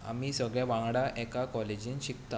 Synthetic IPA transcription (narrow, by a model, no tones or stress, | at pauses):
a̰miːsəɡɭjaʋãŋɡɽaʔɛkakɔled͡ʑiːnɕikt̪a